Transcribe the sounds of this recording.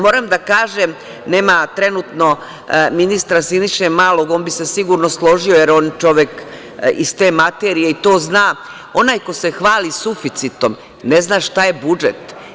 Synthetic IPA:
mo̞ːɾamd̪akaːʒem | ne̞ːmat̪ɾe̞nuːt̪no̞ | minist̪ɾasiniʃemaːlo̞ɡonbise̞siɡuɾnoslˠo̞ʒio̞jeɾo̞ːnt͡ʃo̞ʋek | ḭst̪e̞ːmat̪eɾijeit̪o̞ːznaː | o̞naːjko̞se̞xʋaːlisufit̪sit̪o̞m | neznaːʃt̪ajebud͡ʒet̪

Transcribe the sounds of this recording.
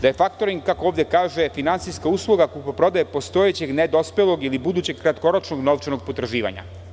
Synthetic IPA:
d̪aje̞fakt̪o̞ɾiŋɡkakooːvd̪ʲekaːʒefinant̪sijskauːslˠuɡakupopɾo̞d̪ajepo̞st̪o̞jet͡ɕe̞ɡned̪o̞spelˠoɡilibud̪ut͡ɕe̞ɡkːɾat̪ko̞ɾot͡ʃnoɡno̞ʋt͡ʃenoɡ̚po̞t̪ɾʒiːʋa̰ɲa̰

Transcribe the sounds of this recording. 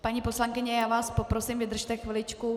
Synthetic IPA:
paɲiposlaŋkɪɲɛjaːvaːspopɾosimvɪd̪r̩ʃt̪ɛxvɪlɪt͡ʃku

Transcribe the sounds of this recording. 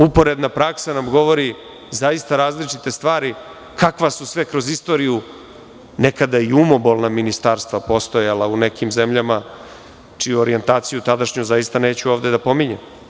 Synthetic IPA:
upo̞ɾe̞d̪napɾaksanamɡo̞ʋo̞ɾi | zaist̪aɾaːzlit͡ʂit̪e̞st̪ʋaːɾi | kakʋasusʋe̞kɾo̞zist̪o̞ːɾiju | ne̞kad̪aiumo̞bolˠnaminist̪aːɾst̪ʋapo̞st̪o̞jalˠaune̞kimze̞mʎama | t͡ʂijuoɾie̞nt̪aːt̪sijut̪ad̪aʃɲuzajist̪ane̞ːt͡ɕuo̞ːʋd̪e̞d̪apomiɲem

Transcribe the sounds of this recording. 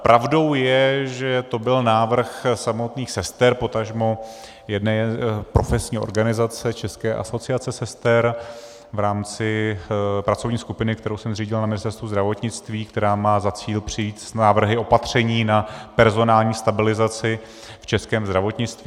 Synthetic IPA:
pɾʔavdo̞wjɛʒɛt̪o̞bɪlnaːvr̩xsamo̞t̪niːxsɛst̪ɛɾpo̞t̪aʒmo | jɛdnɛːpɾo̞fɛsɲiːʔo̞̰ɾɡanɪzat͡sɛt͡ʃɛskɛːʔa̰so̞t͡sɪat͡sɛsɛst̪ɛɾ | vɾaːmt͡sɪ | pɾat͡sovɲiːskupɪnɪk̚t̪ɛɾowsɛmr̝iːɟɪlnamɪnɪst̪ɛɾst̪vuzd̪ɾavo̞t̪ɲɪt͡st̪viːk̚t̪ɛɾaːmaːzat͡siːlpr̥ɪjiːt̪snaːvr̩ɦɪo̞pat̪r̝̥ɛɲiːnapɛɾzo̞naːlɲiːst̪abɪlɪzat͡sɪ | ft͡ʃɛskɛːmzd̪ɾavo̞t̪ɲɪt͡st̪viː

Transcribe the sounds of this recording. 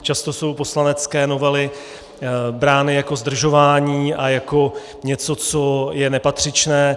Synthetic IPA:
t͡ʃast̪o̞so̞wpo̞slanɛt͡skɛːno̞vɛlɪ | bɾaːnɪjako̞zd̪r̩ʒo̞vaːɲiːʔajako̞ | ɲɛt͡so̞t͡so̞jɛnɛpat̪r̝̥ɪt͡ʃnɛː

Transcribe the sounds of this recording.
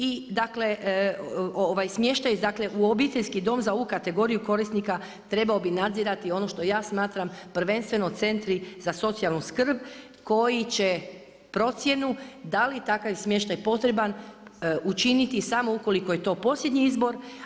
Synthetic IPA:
id̪akle̞ʔ | oʋajsmje̞ʃt̪ajd̪akle̞ʔuobit̪eʎʲskid̪o̞ːmzaoukat̪e̞ɡo̞ɾijuko̞ɾisnika | t̪ɾe̞bao̞binad̪ziɾat̪io̞no̞ʃt̪o̞jaːsmaːt̪ɾampr̩ʋe̞nst̪ʋe̞no̞t̪se̞nt̪ɾizaso̞t̪sijalˠnuskr̩b | ko̞jit͡ɕe | pɾo̞t̪sje̞nud̪alit̪akaʋsmje̞ʃt̪ajpo̞t̪ɾe̞ban | ut͡ʃinit̪isamo̞ukolikojet̪o̞ːpo̞sʎʲe̞d̪ɲiizbo̞ɾ

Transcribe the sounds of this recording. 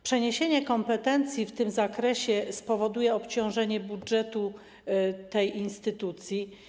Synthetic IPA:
pʂɛɲeɕeɲɛkɔmpɛt̪ɛnt̪sʲjift̪ɘmzakɾɛɕɛspɔvɔd̪ujɛɔpt͡ɕɔ̃w̃ʐɛɲɛbudʐɛt̪u | t̪ɛjinst̪ɘt̪ut̪sʲji

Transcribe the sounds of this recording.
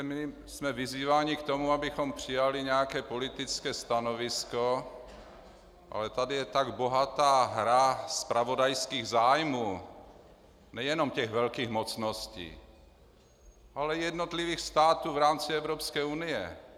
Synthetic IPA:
mɪ | smɛviziːvaːɲɪkt̪omuabɪxompr̥ɪjalɪɲɛjakɛːpo̞lɪt̪ɪt͡skɛːst̪anovɪsko | ʔa̰lɛt̪adɪjɛt̪aɡbo̞ɦat̪aːɦɾaspɾavo̞dajskiːɣzaːjmuː | nɛjɛnomcɛɣvɛlkiːɣmot͡snoscḭː | ʔalɛjɛdnot̪liviːxst̪aːt̪uːvɾaːmt͡sɪɛvɾopskɛːunɪjɛ

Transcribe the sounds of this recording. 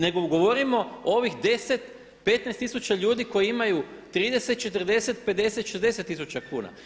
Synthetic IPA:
ne̞ɡoɡo̞ʋo̞ɾimo̞oʋixd̪e̞set̪ | pe̞t̪nest̪isut͡ɕaʎuːd̪iko̞jiimajut̪ɾiːd̪e̞set̪̚t͡ʃe̞t̪ərd̪e̞se̞t̪pe̞d̪d̪e̞set̪ʃezd̪e̞set̪ːisut͡ɕakuːna̰

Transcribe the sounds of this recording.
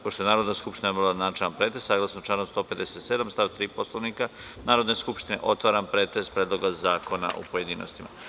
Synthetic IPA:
poʃt̪o̞enaːɾo̞d̪naskupʃt̪inabolad̪nat͡ʃaampɾeːt̪esaːɡlˠasnot͡ʃanomst̪o̞ːpe̞d̪eset̪se̞d̪amst̪aʋt̪ɾiːposlˠoʋnika | naːɾod̪neskupʃt̪inḛʔo̞t̪ʋaːɾanpɾeːt̪est̪pɾeːd̪lˠo̞ɡazaːko̞na̰ʔṵpoje̞d̪iːno̞̰st̪ima̰

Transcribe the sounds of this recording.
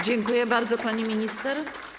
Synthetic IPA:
d͡ʑɛŋkujɛbaɾd̪zɔpaɲimʲiɲist̪ɛɾ

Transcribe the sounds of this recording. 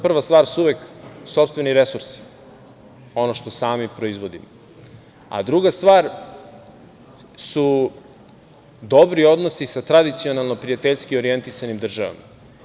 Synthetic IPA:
pr̩ʋast̪vaːɾsuuʋekso̞pst̪vʋe̞niɾe̞suɾsi̥ | o̞noʃt̪osaːmipɾo̞izʋo̞d̪imo | a̰d̪ɾuɡast̪ʋaːɾ | su | d̪o̞bɾio̞d̪nosisat̪ɾad̪it̪sio̞nalˠno̞pɾijat̪eʎskioɾie̞nt̪isanimd̪r̩ʒaʋa̰ma̰

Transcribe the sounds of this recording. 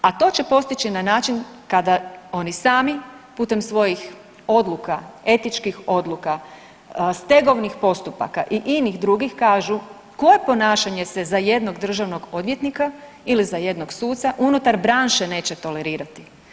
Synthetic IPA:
at̪o̞t͡ɕe̞po̞st̪it͡ɕinanaːt͡ʃin | kad̪ao̞nisaːmiput̪emsʋo̞jix | o̞d̪lˠukae̞t̪it͡ʃkixo̞d̪lˠuka | st̪e̞ɡo̞ʋnixpo̞st̪upa̰kaʔiʔiniɣd̪ɾuɡixkaːʒu | ko̞je̞po̞naːʃaɲe̞sezaje̞d̪no̞ɡd̪r̩ʒaʋno̞ɡo̞d̪ʋje̞t̪nika | ilizaje̞d̪no̞ɡsuːt̪saʔunut̪aɾbɾaːnʃene̞ːt͡ɕe̞t̪o̞le̞ɾiːɾat̪i̥

